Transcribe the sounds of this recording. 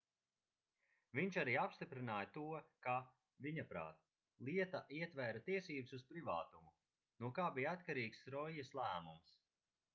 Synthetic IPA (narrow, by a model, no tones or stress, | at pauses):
vʲiɲt͡ʃaɾiːapst̪ipɾinaːjat̪uɔka | viɲapɾa̰ːt̪̚ | lˠiɛt̪aʔiɛt̪vɛɾat̪iɛsiːbususpɾiva̰ːt̪umu | nuɔkaːbijat̪kaɾiːksɾɔjɛslˠæːmums